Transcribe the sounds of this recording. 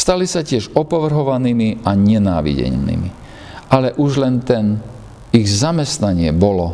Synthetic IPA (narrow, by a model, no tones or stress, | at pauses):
st̪alisacɪɛʒɔpɔʋr̩ɦɔʋaniːmiʔaɲɛnaːʋḭɟɛ̰ɲnḭmḭ | ʔalɛʔuʒlɛnt̪ɛn | iɣzamɛst̪naɲɪɛbɔlɔ